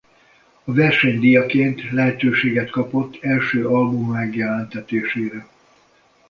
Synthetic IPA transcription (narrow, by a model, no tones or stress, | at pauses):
ɒvɛrʃɛɲd̪ijɒkeːnt̪lɛɦɛt̪øːʃeːɡɛt̪kɒpo̞t̪ʰːɛlʃøːɒlbumːɛɡjɛlɛnt̪ɛt̪eːʃeːɾɛ